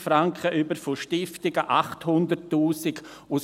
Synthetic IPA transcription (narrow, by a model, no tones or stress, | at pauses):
fɾaŋkχəʔybəɾfoʃtɪftɪɡəʔaχthʊndətːuːsɪɡ | ʊs